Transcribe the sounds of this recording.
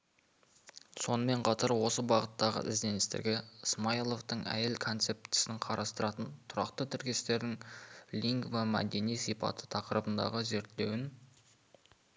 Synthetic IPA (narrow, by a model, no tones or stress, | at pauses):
so̞nəme̞ɴqʰɑt̪ɑɾwo̞səbɑʁət̪ːɑʁə̰ʔɪ̰zd̪e̞nɪst̪ɪ̰ɾɡʲɪsmajlˠo̞ft̪əɴæ̰jelkʰo̞nt̪se̞p̚t̪ɪ̥sɪŋqʰɑɾʔɑst̪əɾɑt̪ənt̪ʰʊɾɑqt̪ət̪ʰɪɾkʲe̞st̪e̞ɾd̪ɪŋlʲiŋɡməmæ̰d̪e̞nijsijpɑ̰t̪ʰə̥t̪ʰɑqəɾəbənd̪ɑ̰ʁəze̞ɾt̪ɪle̞wɪn